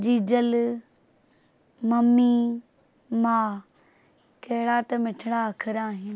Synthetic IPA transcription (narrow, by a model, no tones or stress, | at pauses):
d͡ʑiːd͡ʑəl | mɐmːi | maː | kɐɦɪɽat̪ɐmɪʈʰɪɽaɐkʰəɾaːɦɪn